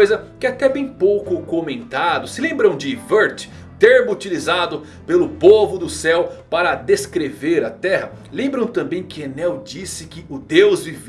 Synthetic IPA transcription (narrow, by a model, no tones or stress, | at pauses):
jzɐkɪat̪ɛbẽj̃powkʊkomẽnt̪ad̪ʊsɪlẽmbɾɐ̃w̃d͡ʒɪveɾt͡ʃ | t̪eɾmʊut͡ʃilizad̪ʊ | pelʊpovʊd̪ʊsɛwpaɾɐd̪eskɾeveɾɐt̪ɛhɐ | lẽmbɾɐ̃w̃t̪ɐ̃mbẽj̃kɪenɛwd͡ʒisɪkɪʊd̪ewzviv